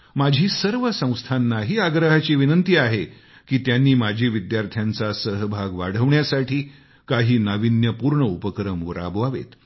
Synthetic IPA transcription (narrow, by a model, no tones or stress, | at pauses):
mad͡ʑʱiːsəɾʋəsə̃w̃st̪ʰanːaɦiːaɡɾəɦat͡ɕiːʋinənt̪iːaɦe | kiːt̪janːiːmad͡ʑʱiʋid̪jaɾt̪ʰjant͡sasəɦbʱaɡʋa̰ɽ̤əʋɳjasaʈʰiː | kaɦiːnaʋinjəpuɾɳəupəkɾəmʋəɾa̰bʋaʋḛt̪